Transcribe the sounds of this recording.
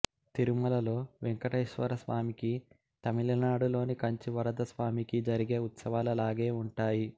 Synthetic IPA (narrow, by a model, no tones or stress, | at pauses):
t̪iɾumɐlɐlo̞ːʋɛŋkɐʈɐjʃʋɐ̰ɾɐsʋaːmiki | t̪ɐmilɐnaːɽulo̞ːnikɐɲt͡ʃiʋɐɾɐd̪ɐsʋaːmikid͡ʒɐɾiɡe̞ːut̪sɐʋaːlɐlaːɡe̞ːuɳʈaːji